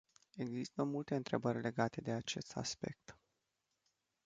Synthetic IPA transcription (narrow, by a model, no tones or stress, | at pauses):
e̞ɡzist̪əmult̪e̞ɨnt̪ɾe̞bərʲle̞ɡat̪e̞d̪e̞at͡ʃe̞st̪a̰spe̞̰k̚t̪